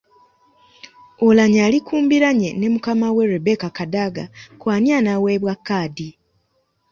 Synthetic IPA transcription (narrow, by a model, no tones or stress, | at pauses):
olaɲaːlikʰuːmbiɾaɲene̞mukamawe̞ɾebekakadaɡakwaːnianaweβwakːaːdi